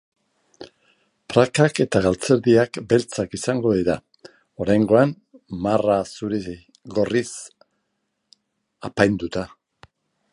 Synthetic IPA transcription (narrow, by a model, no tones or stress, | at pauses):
pɾakake̞t̪aɣalt͡se̞ɾðiakbe̞lt͡sakisaŋɡo̞ðiɾa | o̞ɾajŋɡo̞an | marasuɾi | ɣo̞ris | apajnd̪ut̪a